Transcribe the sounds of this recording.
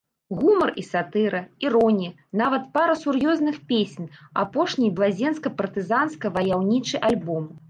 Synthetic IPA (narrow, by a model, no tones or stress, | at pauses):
ɣumɐrisat̪ɨɾɐiɾɔnʲiɐ | navɐt̪paɾɐsurjɔznɨxpʲesʲna̰pɔʂnʲijblˠazʲɛnskɐpɐrt̪ɨzanskɐvɐjawnʲit͡ʂɨjʔalʲbɔm